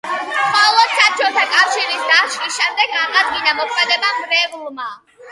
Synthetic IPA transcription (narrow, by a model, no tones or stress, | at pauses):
χɔlˠɔd̪sap̚t͡ʃʰɔt̪ʰakʼafʃiɾisd̪aʃɾisʃɛmd̪ɛɡaʁad̪̚ɡinamɔkʰmɛd̪ɛbamɾɛvulˠma